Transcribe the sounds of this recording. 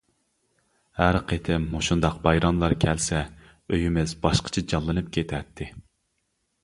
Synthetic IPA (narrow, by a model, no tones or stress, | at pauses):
hæɾqʰet̪ʰɪmːoʃund̪ɑqbɑjɾɑnlˠɑɾkʲʰɛlsɛ | øjymɪzbɑʃqʰə̥t͡ʃʰɛd͡ʒɑlˠːɨnɨp̚kʲʰet̪ʰɛt̪ʰːɪ